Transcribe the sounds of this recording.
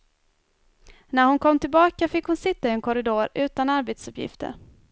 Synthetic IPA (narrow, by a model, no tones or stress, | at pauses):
næɾhʊnkʰɔmːt̪ʰɪlbɑːkafɪkːhʊnsɪt̪ːaɪɛnkʰʊɾɪd̪oːɾʉ̟ːt̪anaɾbeːt̪sɵpjɪ̰ft̪ə̰ɾ